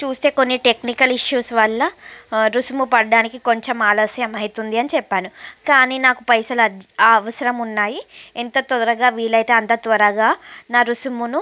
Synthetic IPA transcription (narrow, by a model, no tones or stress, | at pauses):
t͡ʃuːst̪e̞ːko̞nːiʈe̞knikɐliʂjuːsʋɐɭːɐɾusmupɐɽɖaːnikiko̞ɲt͡ʃemaːlɐsjɐmɐjit̪und̪iɐnit͡ʃɛpːaːnukaːniːnaːkupɐjsɐlɐɐʋɐsɐɾɐmunːaːjient̪ɐt̪ɔɾɐɡaːʋiːɭɐjt̪e̞ːɐnt̪ɐt̪ʋɐɾɐɡaːnaːɾusumunu